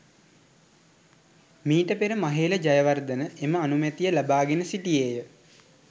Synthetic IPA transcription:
miːʈəpeɾəmaɦeːləd͡ʒajəʋard̪ənəʔeməanumet̪ijəlabaːɡenəsiʈijeːjə

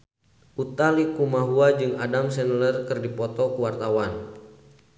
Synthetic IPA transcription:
ʔut̪alikumaɦuad͡ʒɨŋadamsɛnlərkɨrdipɔt̪ɔkuwart̪awan

